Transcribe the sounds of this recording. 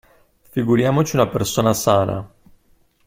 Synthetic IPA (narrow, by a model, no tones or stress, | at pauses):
fiɡuɾjaːmot͡ʃiunapersoːnasaːna̰